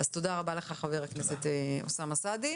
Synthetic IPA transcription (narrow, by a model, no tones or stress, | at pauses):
azt̪o̞daʁabaleχaχaveʁakneset̪eosamasadi